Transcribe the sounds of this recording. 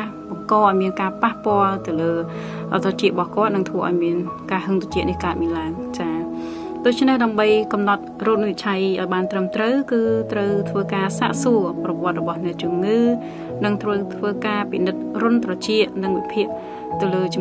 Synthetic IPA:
ɓɑŋkɑːʔaɔjmiənkaːpahpŏəlt̪ɨwləː | ʔɑ̰t̪ʰɑt͡ɕiəɓɑhkŏət̪̚nɨŋt̪ʰʋəːʔaɔjmiənkaːɦəŋt̪ot͡ɕiəʔ̪nihkaət̪̚miənlaəŋt͡ɕaː | ɗoːc̚t͡ɕʰnehɗaəmɓəjkɑmnɑt̪̚roːt̪̚miət͡ɕʰajʔaɔjɓaːnt̪rəmt̪rəwkɨːt̪rəwt̪ʰʋəːkaːsa̰ːʔsuəprɑʋŏət̪̚rɔɓɑhnɛ̆əʔt͡ɕuəmŋɨː | nɨŋt̪ʰʋəwt̪ʰʋəːkaːpinɨt̪̚rʊənt̪rɑt͡ɕiəʔnɨŋʋipʰiəʔ | t̪ɨwləːt͡ɕ

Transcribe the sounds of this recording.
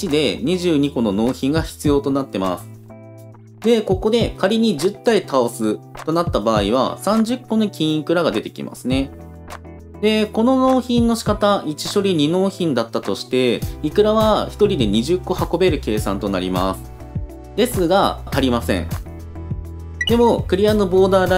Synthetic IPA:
it͡ɕid̪e̞ɲ̟iʑɨːɲ̟iko̞no̞no̞ːçĩŋɡaçi̥t͡sɨjo̞ːt̪o̞nat̪ːe̞ma̰sɨ̥ | d̪e̞ko̞ko̞d̪e̞kaɾʲiɲ̟iʑɨt̪ːait̪ʰaosɨt̪o̞nat̪ːabaːiβ̞a̰sãɲ̟d͡ʑɨkːo̞nokʲĩɰ̃ikɯ̟ɾaɡad̪e̞t̪e̞kʲḭma̰sɨne̞ | d̪e̞ko̞no̞no̞ːçĩnːo̞ɕi̥kat̪ait͡ɕi̥ɕo̞ɾʲiɲ̟ino̞ːçĩnd̪at̪ːat̪o̞ɕi̥t̪e̞ikɯ̟ɾaβaçi̥t̪o̞ɾʲid̪e̞ɲ̟iʑɨkːo̞hako̞be̞ɾɯ̟ke̞ːsã̰nt̪o̞na̰ɾʲḭma̰sɨ̥ | d̪e̞sɨɡat̪aɾʲimasẽ̞̰ɴ | d̪e̞mo̞kɯ̟ɾʲiano̞bo̞ːd̪aːɾa

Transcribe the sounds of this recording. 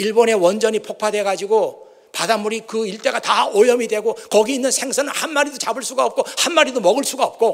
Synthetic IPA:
iɭbone̞wʌnd͡ʑʌɲipʰok̚pʰadwe̞ɡad͡ʑiɡo | padamːuɾikɯiɭt͈e̞ɡataojʌmidwe̞ɡokʌɡiːnːɯnsʰe̞ŋsʰanɯnhanmaɾidot͡ɕabɯɭs͈uɡaʌp̚k͈ohanmaɾidomʌɡɯɭs͈uɡaʌp̚k͈o

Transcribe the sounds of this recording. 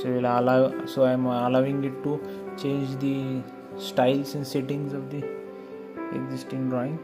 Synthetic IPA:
soelalasoaɪmɐlaʋɪ̃ŋɡɪʈːu | t͡ʃẽːnd͡ʒd̪i | sʈaɪlsɛ̃nseʈɪ̃ŋzɔʋd̪i | ḛɡzɪsʈĩŋɖɾãɪ̃ŋ

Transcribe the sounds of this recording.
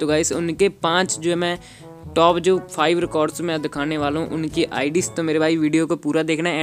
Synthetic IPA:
t̪ʊɡaːɪsʊnkeːpãːt͡ʃd͡ʒoːɛmɛ̃ː | ʈɔːpd͡ʒoːpʰaːiʋɾɪkɔːɾɖsmɛ̃ːd̪ɪkʰaːneːʋaːlɦũʔʊnkiʔa̰ːɪɖist̪õːmeːɾebaːiʋiːɖijoːkopuːɾaːd̪eːkʰna

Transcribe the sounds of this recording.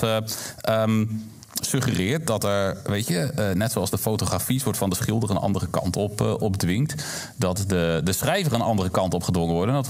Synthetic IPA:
ʔəm | sɵχərɪːəɹt̚dɔtɛɹʋejtjənɛtsoɑlˠzdəfowtoχrafisʋɔɹtfɔndəsχɪlˠdərənʔɑ̰ndərəkɑ̰ntɔpʔɔpdʋɪŋkt | dɔtdədəsχrɛjvərənʔɑndərəkɑntɔpχədʋɔŋəʋɔɹdəndɔt

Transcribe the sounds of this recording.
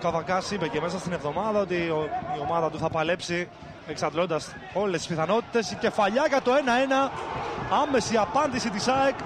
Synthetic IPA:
kɐvɐkɐsipece̞me̞sɐst̪ine̞vðo̞mɐðɐo̞t̪iio̞mɐðɐt̪uθɐpɐle̞psi | eksɐnd̪lo̞nd̪ɐs | o̞lest̪i̥spiθɐno̞t̪i̥t̪e̞sce̞fɐʎɐɣɐt̪o̞e̞nɐe̞nɐ | ɐme̞siɐpɐnd̪isit̪isɐek

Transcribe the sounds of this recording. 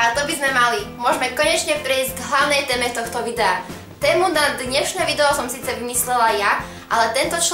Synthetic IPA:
at̪ɔbizmɛmalimʊɔʒmɛkɔɲɛt͡ʃɲɛpɾɛizɟɡɦlaʊnɛjt̪ɛːmɛt̪ɔxt̪ɔʋid̪ɛa | t̪ɛːmunad̪ɲɛʃnɛʋid̪ɛɔsɔmsiːt͡sɛʋimislɛlaja | ʔalɛt̪ɛnt̪ɔt͡ʃ

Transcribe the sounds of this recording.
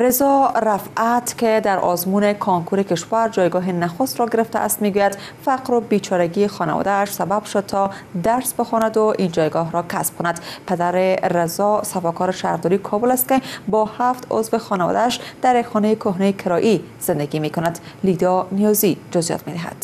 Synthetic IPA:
ɾezɒɾafat̪ked̪aɾʔɒ̰zmunekʰɔŋkʰuɾekeʃvaɾd͡ʒɒjɡɒɦenaxost̪ɾɔɡeɾeft̪a̰ʔa̰st̪meɡujad̪ | faqɾobit͡ʃʰɒɾaɡiexɒna̰vɒ̰d̪aːʃsababʃod̪̚t̪ʰɒ | d̪aɾsbexɔnad̪ʊʔind͡ʒɒjɡɒɦɾɔkʰasb̥̚kʰonad̪pad̪aɾeɾezɒsafɔkɔɾeʃahɾd̪ɔɾikʰɒbolast̪̚kebɒhaft̪o̰zvexɒnavɒ̰d̪aːʃd̪̥aɾjakxɒnejekʰoɦnejekʰɪɾɒʔi | z̥end̪aɡimekonad̪lid̪ɒnijɒzid͡ʒʊzjɒ̰t̪med̪ɪɦa̰d̪̥

